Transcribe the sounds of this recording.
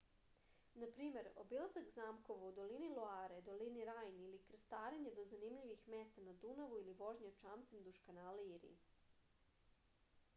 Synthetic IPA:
napɾiːme̞ɾo̰bilˠazaɡzaːmko̞ʋaud̪o̞liniloaːɾed̪o̞liniɾaːjnilikɾ̩st̪aːɾeɲed̪o̞zanimʎiʋixmeːst̪anad̪unaʋuiliʋo̞ʒɲat͡ʃaːmt̪semd̪uʃkanaːlaiɾḭ

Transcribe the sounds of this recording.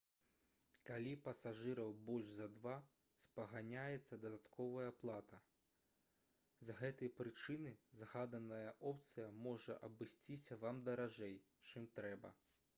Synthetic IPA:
kalʲipɐsaʐɨɾɐwbɔlʲʐzɐd̪va | spɐɣanʲajɛt̪sːɐd̪ɐd̪at̪kʰɔvɐjɐplˠat̪ɐ | zɐɣɛt̪ɐjɐpɾɨt͡ʂɨnɨzɣad̪ɐnɐjɐʔɔpt̪sɨjɐmɔʐɐ̰ʔɐbɨsʲt͡sʲisʲɐvamd̪ɐɾaʐɛj | t͡ʂɨmt̪ɾɛbɐ̰

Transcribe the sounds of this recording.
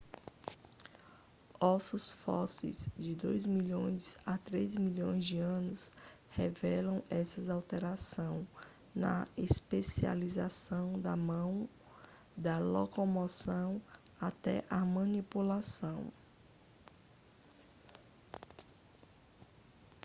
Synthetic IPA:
ɔsusfɔsḛjzd͡ʒɪd̪ojzmiʎõj̃sat̪ɾezmiʎõ̰j̃zd͡ʒɪɐ̃nʊs | hɛvɛlɐ̃w̃ɛsɐzawt̪eɾasɐ̃w̃ | nɐ̰espesia̰lizasɐ̃w̃d̪ɐmɐ̃w̃ | d̪ɐlokomosɐ̃w̃ | at̪ɛ̰ʔɐmɐ̃nipulasɐ̃w̃

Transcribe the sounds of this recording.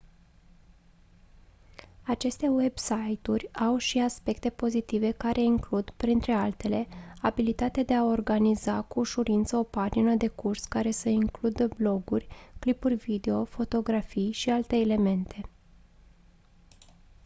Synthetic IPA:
at͡ʃe̞st̪e̞we̞bsajt̪urʲawʃiaspe̞kt̪e̞po̞zit̪ive̞kaɾʔe̞iŋklud̪pɾint̪ɾe̞alt̪e̞le̞abilit̪at̪ead̪e̞ao̞rɡanizakuːʃuɾint̪səo̞pad͡ʒinəd̪e̞kurskaɾe̞səiŋklud̪əblo̞ɡurʲklipurʲvid̪e̞o̞fo̞t̪o̞ɡɾafijʃialt̪e̞ːle̞me̞nt̪ʰe̞

